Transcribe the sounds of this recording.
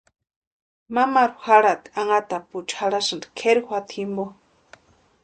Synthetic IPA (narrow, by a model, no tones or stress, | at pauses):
mamaɾuhaɽat̪i̥aŋat̪aput͡ʃhaɽasand̪i̥kʰeɾihʷwat̪ʰimbo